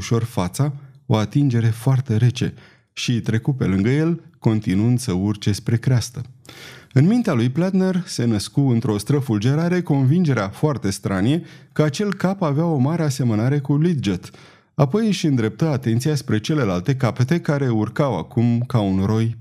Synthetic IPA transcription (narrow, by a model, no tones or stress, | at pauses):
uʃo̞rfat̪sao̞̰at̪ind͡ʒe̞ɾe̞foart̪e̞ɾe̞t͡ʃe̞̰ | ʃit̪ɾe̞kupe̞̰lɨŋɡəje̞lko̞nt̪inuɨnd̪səurt͡ʃe̞spɾe̞kɾeast̪ə | ɨnmint̪ealujplat̪ne̞rse̞nəskuɨnt̪ɾo̞st̪ɾəfuld͡ʒe̞ɾaɾe̞ko̞nvind͡ʒe̞ɾeafoart̪e̞st̪ɾanʲje̞kəat͡ʃe̞lkapaveao̞maɾe̞ase̞mənaɾe̞kulid̪̚d͡ʒet̪ | apo̞jɨʃɨnd̪ɾe̞p̚t̪əat̪e̞nt̪sijaspɾe̞t͡ʃe̞le̞lalt̪e̞kape̞t̪e̞kaɾe̞urkawa̰kumkaunro̞j